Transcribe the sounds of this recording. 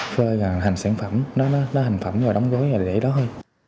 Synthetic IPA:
fəː˧ɣɔ˨˩ɦa˨˩ŋ̟saː˧˩nfə˧˩mnɔ˨˦nɔ˨˦nɔ˨˦ha˨˩ŋ̟fə˧˩mzɔː˨˩ɗa˨˦wŋ͡mɣo˨˦jvaː˨˩˨ɗḛ˧˩˦ɗɔ˨˦ɦəː˧j

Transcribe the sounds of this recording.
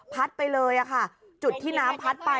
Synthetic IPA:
pʰa˦˥t̪̚pa˧jlɤː˧jʔa˨˩kʰa˥˩ | t͡ɕu˨˩t̪ʰːiː˥˩naː˦˥mpʰa˦˥t̪̚pa˧

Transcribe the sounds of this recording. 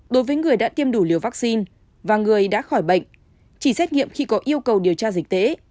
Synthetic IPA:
ɗo˨˦jvəː˨˦jŋɨ˨˩əjɗa̰ː˧˥t̪i˧əmɗu˧˩li˨˩əwva˦˥k̚si˧n | vaː˨˩ŋɨ˨˩əjɗa̰ː˧˥xɔ˧˩jɓə̰˧˨ŋ̟ | t͡ɕi˧˩sɛ˦˥t̚ŋḭ˧˨əmxi˧kɔ˨˦ʔi˧əwkə˨˩wɗi˨˩əwt͡ɕaː˧zi˨˩k̚t̪ḛ˧˥

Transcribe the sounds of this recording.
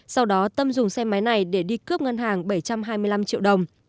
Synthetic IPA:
sa˧wɗɔ˨˦t̪ə˧mzʊ˨˩ŋ͡msɛ˧ma˨˦jna˨˩jɗe˧˩ɗi˧kɨ˦˥əp̚ŋa˧nɦaː˨˩ŋɓə˧˩jt͡ɕa˧mɦaː˧jmɨ˧əla˧mt͡ɕḭ˧˨wɗə˨˩wŋ͡m

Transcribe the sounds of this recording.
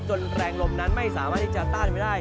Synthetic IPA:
t͡ɕo˧nɾɛː˧ŋlo˧mna˦˥nma˥˩jsaː˩˦maː˥˩t̪ʰːi˥˩t͡ɕa˧˩t̪aː˥˩nma˥˩jdaː˥˩j

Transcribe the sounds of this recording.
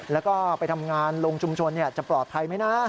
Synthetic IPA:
lɛː˦˥wkɔː˥˩pa˧jt̪ʰa˧mŋaː˧nloː˧ŋt͡ɕʰu˧mt͡ɕʰo˧nːi˥˩ɐt͡ɕa˨˩pɾɔː˨˩t̪̚pʰa˧jma˦˥jna˦˥

